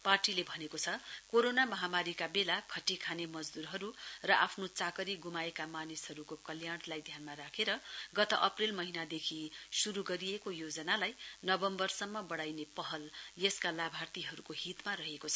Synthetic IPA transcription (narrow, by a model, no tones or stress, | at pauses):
parʈilebʱʌnekot͡sʰʌkoɾonamʌɦamaɾikabelakʰʌʈːikʰanemʌd͡zd̪uɾɦʌɾurʌʔa̰pʰnot͡sakʌɾiɡumaekamanishʌɾukokʌljaɽ̃lajd̪ʱjanmaɾakʰeɾʌɡʌt̪ʌʔʌprilmʌɦinad̪ekʰisuɾuɡʌɾiekojod͡zʌnalajnʌbʌmbʌrsʌmːʌbʌɽajnepʌɦʌljʌskalabʱart̪iɦʌɾukoɦit̪maɾʌɦekot͡sʰʌ